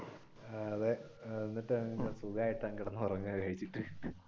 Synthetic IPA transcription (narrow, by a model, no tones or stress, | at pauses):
ɐðeenːiʈːesuɡɐaːjiʈːaːŋkiɽɐnːɨpɐrɐɲːɐkʰɐjit͡ɕːiʈːɨ